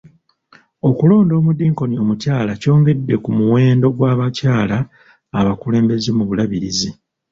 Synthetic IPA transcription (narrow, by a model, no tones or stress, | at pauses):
o̞kulo̞ːndo̞ːmudiːŋko̞nio̞mucaːlaco̞ːŋɡe̞dːe̞kumuwe̞ːndo̞ɡwaːβacaːlaː | βakule̞ːmbe̞zemuβulaβiɾizi